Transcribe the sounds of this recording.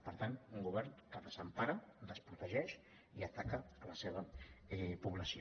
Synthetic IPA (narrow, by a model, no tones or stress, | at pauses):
pəɾt̪anuŋɡuβ̞ɛɾŋkəðəzəmpaɾəd̪əspɾut̪əʒɛʃ | iət̪akəːləseβəɛpuβləsio